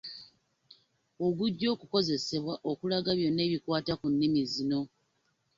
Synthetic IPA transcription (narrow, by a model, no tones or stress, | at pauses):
o̞ɡuɟːo̞ːkuko̞ze̞se̞βwaʔo̞kulaɡaβjo̞nːe̞ːβikwaːtakunːimizino̞